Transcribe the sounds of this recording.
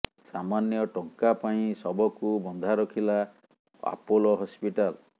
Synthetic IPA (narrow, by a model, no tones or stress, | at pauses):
samanjɔʈɔŋkapaĩsɔbɔkubɔnd̪ʱaɾɔkʰila | a̰polɔɦɔspiʈal